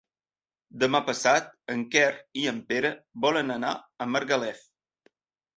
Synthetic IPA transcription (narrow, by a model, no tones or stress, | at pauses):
d̪əmapəsat̪̚əŋkɛriəmpeɾəβɔlənəna̰ | əməɾɣəlɛθ